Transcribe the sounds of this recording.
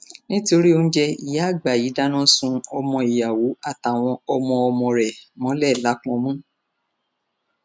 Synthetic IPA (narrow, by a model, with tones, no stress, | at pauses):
nĩ˦to˧ɾi˦o˧n̩˦d͡ʒɛ˧ḭ˨ja˦˨ɡ͡ba˨ji˨˦da˦nã˦sũ˧ɔ˧mɔ̃˧i˨ja˨wo˨˦a˦˨ta˨w̃ɔ̃˧ɔ˧mɔ̃˧ɔ˧mɔ̃˧ɾɛ˨mɔ̃˨˦lɛ˦˨la˨˦k͡pɔ̃˧mũ˦